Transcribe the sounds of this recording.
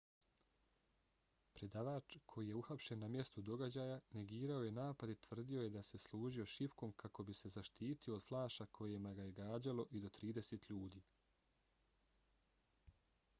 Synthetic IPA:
pɾe̞d̪aːʋaːt͡ʃkʰo̞jije̞uxapʃe̞nːamje̞st̪ud̪o̞ɡad͡ʑaːjane̞ɡiːɾao̞je̞naːpad̪it̪ʋr̩d̪io̞je̞d̪ase̞slˠuːʒio̞ʃipko̞mkʰako̞bise̞zaʃt̪iːt̪io̞ːd̪̥flˠaːʃakʰo̞jemaɡaje̞ɡaːd͡ʑalo̞ʔid̪o̞t̪ɾiːd̪e̞se̞t̪ʎuːd̪iː

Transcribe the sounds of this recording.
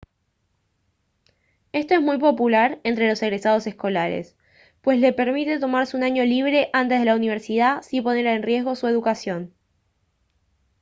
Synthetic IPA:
e̞st̪o̞e̞zmujpo̞pulaɾe̞nt̪ɾe̞lo̞seɣɾe̞sað̞o̞se̞sko̞laɾḛs | pwe̞sle̞peɾmit̪e̞t̪o̞maɾseunaɲo̞liβ̞ɾe̞ʔant̪e̞zðelauniβ̞eɾsið̞asipo̞ne̞ɾaenrje̞zɣo̞sue̞ð̞ukasjo̞n

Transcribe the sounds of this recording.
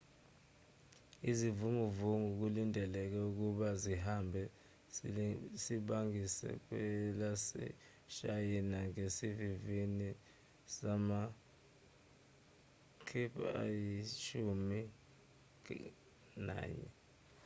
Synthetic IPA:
izivumuvuŋuk̬ulindʱɛlɛk̬ɛuk̬uɓaziɦambʱɛ | siɓaŋisɛ̰k̬wɛlasɛ̰ | ʃajɛnaŋesivivini | sama | kʰipʰa̰jiʃumi | na̰ːɲɛ̰

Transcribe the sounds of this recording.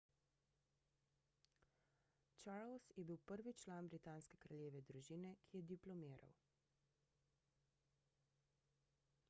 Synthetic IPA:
t͡ʃaɾlsjɛbiwpəɾʋit͡ʃlaːnbɾit̪aːnskɛkɾaljeːʋɛd̪ɾuʒiːnɛkʰijɛd̪iplɔmiːɾa̰w

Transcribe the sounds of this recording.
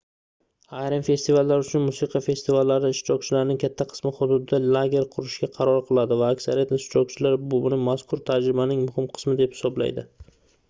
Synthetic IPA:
ajɾamfe̞st̪ivalːaɾʊt͡ʃʰʊnmʊsiqʰjfe̞st̪ɪvalːaɾɪɪʃɾɒk̚t͡ʃʰɪlaɾnɪŋkʲʰat̪ʰːaqʰɨ̥smɪχʊd̪ʊd̪ɪd̪alˠaɡʲe̞ɾqʰʊɾɪʃɡʲaqʰɑɾɒɾqʰɨlˠad̪ɪvaːkʲsaɾijat̪ɪʃt͡ʃɒk̚t͡ʃʰɪlaɾbʊʊnɪmaskʰʊɾt̪ʰad͡ʒɾɪbanɪŋmʊhɪmqʰɨ̥smɪd̪e̞phɪ̥sɒbla̰jd̪ɪ

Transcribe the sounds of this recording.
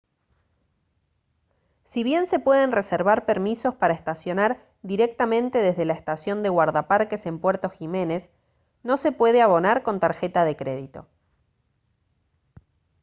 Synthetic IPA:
siβje̞nse̞pwe̞ð̞e̞nre̞seɾβaɾpeɾmiso̞spaɾaest̪asjo̞naɾ | d̪iɾek̚t̪amẽnt̪e̞ðe̞zðelaest̪asjo̞nd̪eɣwaɾðapaɾkese̞mpweɾt̪o̞xime̞ne̞s | no̞se̞pwe̞ð̞eaβ̞o̞naɾko̞nt̪aɾxe̞t̪aðe̞kɾe̞ð̞it̪o̞̰

